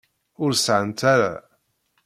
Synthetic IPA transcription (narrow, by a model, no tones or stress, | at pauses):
ʊɾsʕənt̪ʰaɾa̰